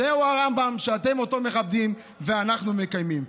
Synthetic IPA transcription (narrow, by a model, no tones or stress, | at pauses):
euaʁambamʃeat̪e̞mo̞to̞me̞χab̚d̪im | ve̞anaχnume̞kajmim